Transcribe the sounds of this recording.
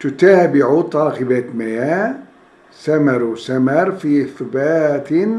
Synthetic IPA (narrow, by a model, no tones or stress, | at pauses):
t̪ʊt̪aːbɪʕut̪ˤɑːxɪbat̪maja | samɑɾˤsamɑɾˤfiʔɪθbaːt̪